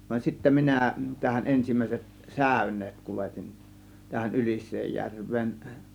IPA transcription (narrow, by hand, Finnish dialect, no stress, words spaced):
ʋɑn sitːæ minæ tæhæn ʔensimˑæˑiset sæˑø̝nˑeːt kuletin tæhæn ylisˑeːjːærʋˑeːn